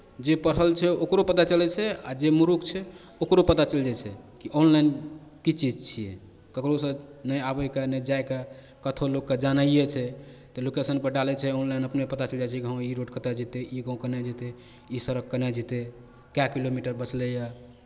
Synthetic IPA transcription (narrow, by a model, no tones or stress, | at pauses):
d͡ʒepəɾɦəlt͡ʃʰɛokɾopət̪at͡ʃəlɛt͡ʃʰɛad͡ʒemuɾukt͡ʃʰɛ | okɾopət̪at͡ʃəld͡ʒat͡ʃʰɛkiʔonlajnkit͡ʃid͡ʒt͡ʃʰijɛ | kəkɾosə̃nəjabəjkanəd͡ʒajka | kət̪ʰolokːed͡ʒanəijet͡ʃʰɛt̪ɔlokesənpəɾɖalɛt͡ʃʰɛonlajnəpnepət̪at͡ʃəld͡ʒat͡ʃʰɛkiɦə̃iɾoɖkət̪ad͡ʒit̪eʔiɡə̃kənɛd͡ʒit̪e | isəɾək̚ːənɛd͡ʒit̪e | kakilomiʈəɾbət͡ʃʰlɛja